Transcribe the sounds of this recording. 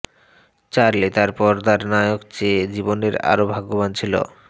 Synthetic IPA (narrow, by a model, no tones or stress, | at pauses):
t͡ɕaɾlet̪aɾpɔɾt̪aɾnajokt͡ɕed͡ʑiboneɾa̰ɾobʱaɡobant͡ɕʰilo̰